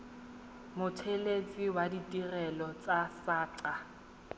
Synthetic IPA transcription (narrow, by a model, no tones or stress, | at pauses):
mʊtʰelet͡sʼiwaditʼirɛlɔt͡sʼasaːǀa